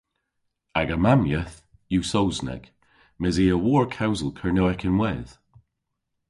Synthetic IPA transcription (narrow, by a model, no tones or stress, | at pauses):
aɡəmamjəθ | jusowznɛ̰ɡ̥ | mɪziːəwɔːɹkʰawzəlˠkʰəɹnoɛkʰɪnwɛð̥